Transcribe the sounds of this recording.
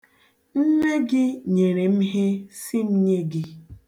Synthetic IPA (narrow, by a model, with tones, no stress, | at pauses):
n̩˦ne˦ɡɪ˦ɲe˨ɾe˨m̩˦ɦe˦si˦m̩˦ɲe˦ɡɪ˦